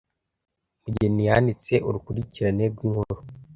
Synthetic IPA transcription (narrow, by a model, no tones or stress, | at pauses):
muɟenijandit͡se̞ʔuɾukuɾiciɾane̞ɾɡwiːŋhoɾo